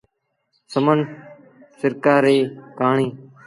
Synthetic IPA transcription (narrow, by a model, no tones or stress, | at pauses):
səmən | sɪɾkaːɾeːpaːɳĩː